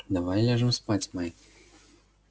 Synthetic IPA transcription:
d̪avajlʲaʐɨmspat͡sʲmaj

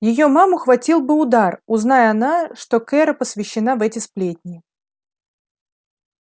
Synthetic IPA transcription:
jɪjomamʊxvɐtʲilˠbɨʊd̪arʊznajəɐnaʂt̪o̞kɛɾəpəsvʲɪɕːɪn̪avɛtʲɪsplʲetʲnʲɪɪ

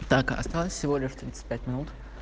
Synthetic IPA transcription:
t̪akɐ̰st̪alˠəsʲsʲɪvolʲɪʂft̪ɾʲit̪sɨ̥t̚ʲpʲætʲmʲɪnut̪

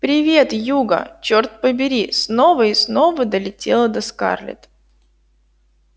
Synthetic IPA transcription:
pɾʲɪvʲe̞t̪juɡə̰t͡ɕort̪̚pəbʲɪɾʲisnovəɪsno̞vəd̪əlʲɪtʲe̞lˠəd̪əska̰rlʲɪ̰t̪

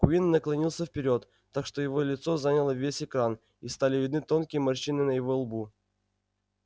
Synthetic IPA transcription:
kʊinnəklˠɐnʲilˠsʲəfpʲɪɾʲo̞t̪ːakʂt̪o̞jɪvo̞lʲɪt̪so̞zanʲəlˠəvʲesʲɪkɾan | ist̪alʲɪvʲɪd̪nɨt̪o̞nkʲɪjəmɐrɕinɨnəjɪvo̞lˠbu

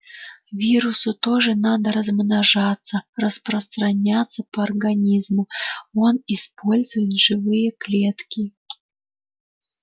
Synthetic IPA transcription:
vʲiɾʊsʊt̪oʐɨnad̪əɾəzmnaʐat̪sːərəspɾəst̪ɾɐnʲat̪sːəpɐːrɡɐnʲizmʊonispo̞lʲzʊjɪt̪ʐɨvɨjəklʲet̪kʲɪ

